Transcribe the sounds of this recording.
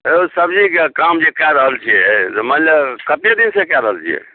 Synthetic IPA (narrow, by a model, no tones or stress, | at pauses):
eusəbd͡ʒikekamd͡ʒekaɾəɦəlt͡ʃʰiɛt̪mənləbkət̪ed̪insẽkaɾəɦəlt͡ʃʰijɛ̰